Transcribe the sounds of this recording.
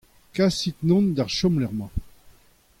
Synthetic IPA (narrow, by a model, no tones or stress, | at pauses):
kasit̪nɔ̃nd̪aʁʃɔmlɛʁmɑ̃